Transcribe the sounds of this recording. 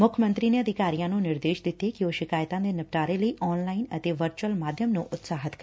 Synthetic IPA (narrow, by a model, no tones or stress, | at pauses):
mʊkʰəmə̃nt̪ɾineəd̪ʱɪkaːɾijãnũnɪɾd̪eːʃd̪ɪt̪ekioːʃɪkaːjt̪ãd̪enɐp̚ʈaːɾeləiʔɔːnlaːinət̪eʋəɾt͡ʃuəlmaːd̪ʱjəmnũʔʊt̪saːɦət̪k